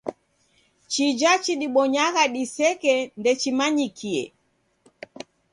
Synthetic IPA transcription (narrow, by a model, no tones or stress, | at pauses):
t͡ʃid͡ʒat͡ʃiɗiɓɔɲaɣaɗisɛkɛndɛt͡ʃimaɲikʰiɛ̰